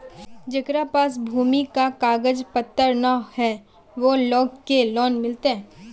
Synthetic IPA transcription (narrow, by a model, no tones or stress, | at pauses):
d͡ʒɐkɾapaːs̬bʱuːmikakaːɡəd͡ʒpət̪ːəɾnahɛ | ʋoloːɡkelɔːnmɪlt̪eɦɛ̃ː